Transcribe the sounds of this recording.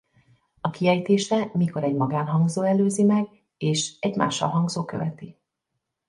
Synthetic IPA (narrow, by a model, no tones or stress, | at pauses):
ɒkiɛjt̪eːʃɛmiko̞ɾɛɟmɒɡaːnɦɒŋɡzoːɛløːzimɛɡ | eːʃɛɟma̰ːʃːɒ̰lɦɒŋɡzoːkø̰vɛt̪i